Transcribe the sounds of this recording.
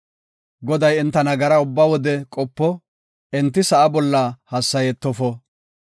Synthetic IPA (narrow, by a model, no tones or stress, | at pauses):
ɡɔd̪ɐjɛnt̪ːɐnɐɡɐɾɐʊbːɐwɔd̪ɛkʼɔpːɔ | ɛnt̪ːɪsɐʔɐbɔlːɐhɐsːɐjɛt̪ːɔfɔ